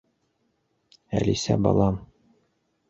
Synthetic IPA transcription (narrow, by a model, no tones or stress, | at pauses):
æ̰lisæbɒ̰lˠɑm